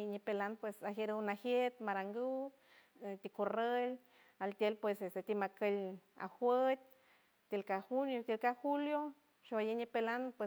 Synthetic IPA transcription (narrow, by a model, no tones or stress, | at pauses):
ɲipelanpwesaɦeɾunahjet̪maɾaŋɡu | t̪ikorəl | alt̪ʲjelpwesest̪et̪imakəla̰hwət̪̚ʲ | t̪elkahuljot̪elkahuljo | ʃoajeɲipelanpwe